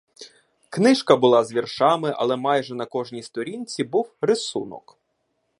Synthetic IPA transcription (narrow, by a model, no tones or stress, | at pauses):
knɪʃkɐbʊlˠɑzʋʲirʃɑmɪʔɐ̰lˠɛmɑjʒɛnɐkɔʒnʲist̪ɔɾʲinʲt͡sʲibuwɾɪsṵnɔ̰k